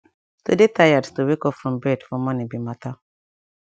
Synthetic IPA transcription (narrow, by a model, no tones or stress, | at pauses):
tudetajadtuwekɔfɹɔ̃mbɹɛdfɔmɔnibimata